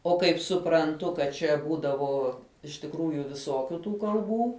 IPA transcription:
oː ˈkɐɪp sʊprɐnˈtʊ kɐt ˈt͡ʃʲɛ ˈbuːdɐʋoː ɪʃ tʲɪkˈruːjʊ ʋʲɪˈsoːkʲʊ ˈtuː kɐlˠˈbuː

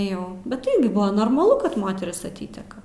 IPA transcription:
ˈjɛʊ bʲɛt ˈɪrʲɡʲɪ ˈbʊʋoː noːrmɐˈlˠʊ kɐt ˈmoːtʲɛrʲɪs ɐˈtʲiːtʲɛkɐ

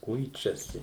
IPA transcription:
ˈkʊɪt͡ʃʲɛsʲɪ

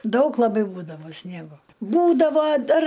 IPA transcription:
ˈdɐʊk lˠɐˈbɐɪ ˈbuːdɐʋoː ˈsʲnʲiɛɡoː ˈbuːdɐʋoː ˈdɐr

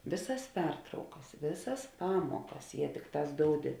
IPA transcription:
ˈʋʲeːˌsɐs ˈpʲɛrtrɐʊkɐs ˈʋʲeːˌsɐs ˈpɑːmuɔkɐs jiɛ ˈtʲɪkˌtɑːs ˈdoːʊdʲɪ

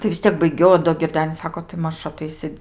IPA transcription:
tɐɪ ʋʲɪs ˈtʲiɛk bɐɪˈɡʲɛʊ oː doː ɡʲɪrʲˈdʲæːnʲɪs ˈsɑːkoː tɐɪ ˈmɐʃ ɐˈtɐɪsʲɪ

